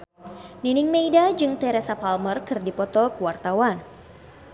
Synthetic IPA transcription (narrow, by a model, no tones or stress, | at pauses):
ninɪŋmejdad͡ʒɨŋt̪ɛɾɛsapalmərkɨrdipɔt̪ɔkəwart̪awan